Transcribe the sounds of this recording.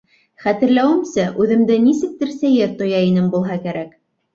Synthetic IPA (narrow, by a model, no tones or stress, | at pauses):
χæt̪ɘ̆ɾlæwɘ̆msæʔʉðɘ̆md̪ɘnisɘ̆k̚t̪ɘ̆ɾsæjɘɾt̪ŏjɑinɘmbulˠɦɑkæɾæk